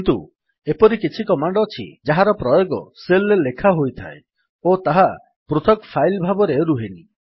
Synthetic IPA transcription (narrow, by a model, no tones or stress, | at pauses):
knt̪ṵ | epɔɾikit͡ʃʰikɔmaɳɖɔːt͡ʃʰḭd͡ʒaɦaɾɔpɾɔjoɡɔ̰selːelekʰaɦojt̪ʰa̰e | ot̪aɦa | pɾut̪ʰɔkɔpʰajlbʱabɔɾeɾuɦeni